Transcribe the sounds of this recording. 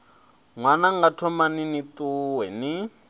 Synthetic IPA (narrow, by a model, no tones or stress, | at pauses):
ŋwanaŋɡatʰɔmaninit̪uwɛni